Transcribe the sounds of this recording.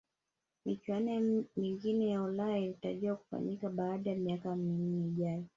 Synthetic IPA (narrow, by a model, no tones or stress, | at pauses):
mit͡ʃuwanɛmiŋɡinɛjaulailitaʄiwaku̥fa̰ɲikaɓaːɗajamiakaminiːʄajɔ